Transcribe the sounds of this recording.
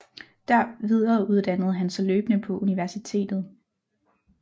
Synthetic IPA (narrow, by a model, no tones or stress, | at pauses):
d̥æɐ̰ʋið̞ˠɐːuð̞ˠd̥ænəð̞̩ˠɦænsɒløːb̥ənəpʰɒ̽ʔuniʋæɐsit͡sʰe̝̰ːd̥ð̞̩ˠ